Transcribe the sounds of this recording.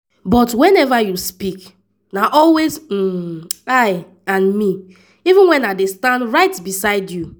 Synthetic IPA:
bɔtwɛ̃nɛvajuspik | naʔɔlwez̩aɪ | ãnmi | ivũnwɛ̃naɪdestãndɹaɪtbisaɪdju

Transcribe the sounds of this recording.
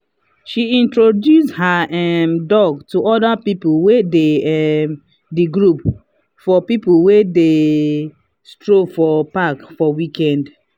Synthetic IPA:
ʃiĩntɹodjushaɛmdɔɡtuɔdapipuwedeɛm | diɡɹup | fɔpipuwede | stɹofɔpakfɔwikɛ̃nd

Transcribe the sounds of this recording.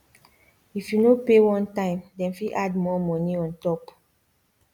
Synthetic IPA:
ifjunopewɔ̃ntãɪ̃mdɛ̃nfiʔadmɔmɔniɔ̃ntɔp

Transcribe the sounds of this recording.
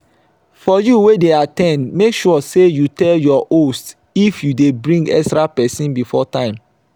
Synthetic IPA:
fɔjuwedeatɛ̃ndmekʃɔɔsejutɛljɔʔost | ifjudebɹĩŋɡɛ̰kstɹapɛsĩnbifɔtãɪ̃m

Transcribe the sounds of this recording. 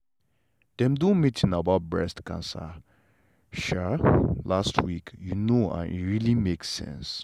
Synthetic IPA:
d̥ɛ̃mdõnmitĩnabaʊt̚bɹɛ̰stkã̰nsa̰ | ʃalastʰwikjunoã̰nḭɹilimeksɛ̰̃ns

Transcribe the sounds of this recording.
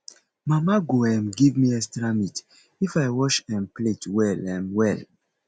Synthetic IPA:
mamaɡoɛ̃mɡivmiɛkstɾamit | ifaɪwɔʃɛ̃mpletwɛlɛ̃mwɛl

